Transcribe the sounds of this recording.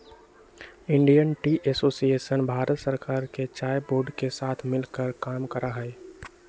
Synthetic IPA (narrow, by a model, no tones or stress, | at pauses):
ɪ̃ɳɖijənʈiʔɛsoːsieːʃənbʱaːɾət̪səɾkaːɾket͡ʃaːjboːɾɖkesaːt̪ʰmɪlkəɾkaːmkəɾaɦɛː